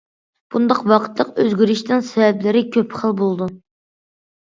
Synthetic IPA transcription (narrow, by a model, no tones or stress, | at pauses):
b̥und̪ɑqwɑqʰə̥t̪lˠəqøzɡʲyɾyʃt̪ɨŋsɛvɛblɪɾɪkʲʰøpʰχəlˠbolˠd̪u